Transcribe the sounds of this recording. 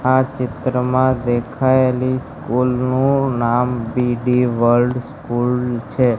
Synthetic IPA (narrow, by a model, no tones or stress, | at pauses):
at͡ʃɪt̪ɾəmãd̪ekʰaeliskulnũnambiɖiʋəɾlɖskult͡ʃʰe